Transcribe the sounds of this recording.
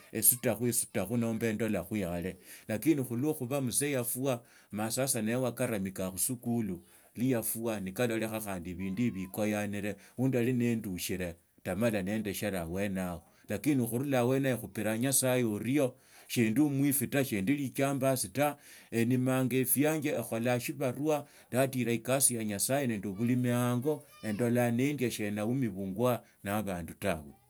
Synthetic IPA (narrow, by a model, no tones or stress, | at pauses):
esutaxwisu̥taxuno̞ːmbe̞ːndolaxwiale̞lakiːnixulwoxuβamusejafuwa | masasanewakaɾamikaxusukulu | lijafuwanikalo̞le̞xaxaːndiβiːndiβikojaniɾe̞uːndalinenduʃiɾe | tamalane̞ːnde̞ʃelawe̞naɣo | lakinixuɾulawenajexupiɾaɲasajeɾijo̞ | ʃeːndumwifitaʃendilit͡ʃaːmbasitaenimaŋɡefijaːɲɡeːxo̞laʃiβaɾwa | ndatiɾaikasijaɲasajeneːnduβulimiaŋɡo̞e̞ndo̞lanendjaʃenaumiβuːŋɡwa | naβaːndutawe